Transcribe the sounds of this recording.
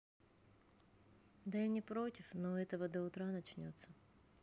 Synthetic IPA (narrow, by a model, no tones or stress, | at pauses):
d̪ɐjanʲɪpɾo̞tʲɪfnoɛt̪əvəd̪əʊt̪ɾanɐt͡ɕnʲot̪sːə